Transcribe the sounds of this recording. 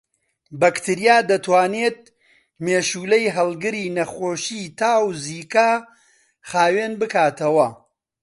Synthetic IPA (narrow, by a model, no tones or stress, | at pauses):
bɐkt̪ʰɨɾijaːd̪ɐt̪ʰwaːneːt̪̚ | meːʃuːlɐjɦɐlˠɡɨɾiːnɐχoːʃiːt̪ʰaːwziːkaː | χaːweːnbɨkaːt̪ʰɐwɐ